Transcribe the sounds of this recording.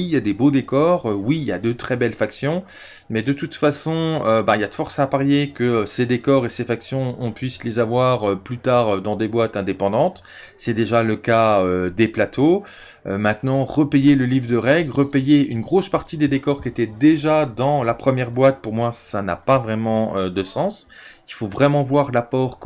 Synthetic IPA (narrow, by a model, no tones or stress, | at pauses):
ijad̪ebod̪ekɔʁøwilja̰d̪øt̪χɛbɛlfaksjɔ̃ | mɛd̪ət̪ut̪fasɔ̃øbailjad̪əfɔʁsapaʁjekəøsed̪ekɔʁesefaksjɔ̃ɔ̃pɥislezavwaʁøplyt̪aːʁød̪ɑ̃d̪ebwat̪ɛ̃d̪epɑ̃d̪ɑ̃t̪ | sɛd̪eʒaləkaød̪eplat̪ʰo | ømɛ̃t̪nɑ̃ʁəpejeləlivʁd̪əʁɛɡlʁəpejeynɡʁospaʁt̪id̪ed̪ekɔʁkʲiet̪ɛd̪eʒad̪ɑ̃lapχəmjɛʁbwat̪̚puʁmwasana̰pavʁɛmɑ̃ød̪əsɑ̃silfovʁɛmɑ̃vwaʁlapɔʁk